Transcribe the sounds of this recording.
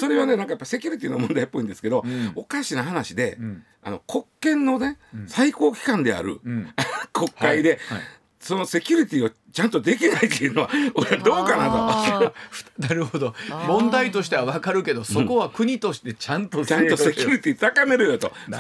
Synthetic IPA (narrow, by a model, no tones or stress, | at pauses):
so̞ɾe̞βane̞nãŋkajapːaise̞kʲuɾʲit̪ʲino̞mõ̞nd̪aipːo̞ĩnd̪esɨ̥ke̞d̪o̞okaɕinaɦanaɕid̪e̞̰ | a̰no̞̰kʰo̞kːẽ̞nːo̞ne̞saiko̞ːkʲi̥kãnd̪e̞a̰ɾɯ̰akʰo̞kːaid̪e̞ | so̞no̞se̞kʲuɾʲit̪ʲio̞ | t͡ɕãnt̪o̞d̪e̞kʲinait̪ːeɯ̟no̞βaoɾeβad̪o̞ːkanat̪o̞̥ | naɾɯ̟hod̪omõ̞nd̪ait̪o̞ɕi̥t̪e̞βaβakaɾɯ̟ke̞d̪o̞soko̞βakɯ̟ɲ̟it̪o̞ɕi̥t̪e̞t͡ɕãnt̪ot͡ɕãnt̪ose̞kʲiɾʲit̪ʲit̪akame̞ɾɯ̟jot̪o̞̰